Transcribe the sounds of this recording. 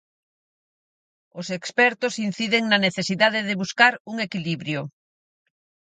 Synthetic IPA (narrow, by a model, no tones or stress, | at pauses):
osekspɛɾt̪osin̟θiðeŋnɐneθesiðaðeðeβuskaɾuŋekiliβɾjo